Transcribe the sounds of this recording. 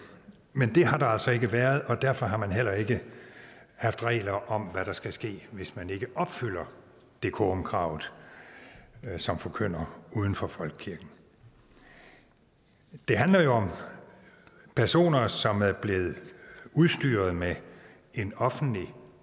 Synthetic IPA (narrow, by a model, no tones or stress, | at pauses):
mend̥e̝ɦɑ̈ɾ̥ɑ̈æl̰sɒ̽e̝ɡ̥əʋæːɐð̞̩ˠɒ̽d̥æɐfɒ̽ɦɑ̈mænɦel̰ɐe̝ɡ̥ə | hɑ̈fd̥ʁɛ̰ːlɐʔɒ̽mʋæɾ̥ɑ̈sɡ̥æsɡ̥e̝̰ːʋe̝smæne̝ɡ̥əʔɒ̽b̥fyl̰ɐ | d̥e̝kʰɔmkʰʁɑ̰̈ːʊ̰ð̩ˠ | sɒ̽mfɒ̽kʰøn̰ɐuːð̞ˠn̩fɒfɒ̽lɡ̥kʰiɐɡ̥n̩ | d̥e̝ɦænlɐjo̝ɒ̽m | pʰæɐso̝̰ːnɐsɒ̽mæɐb̥le̝ːð̞̩ˠuð̞ˠsd̥y̰ːɐð̞̩ˠme | enɒ̽fn̩d̥li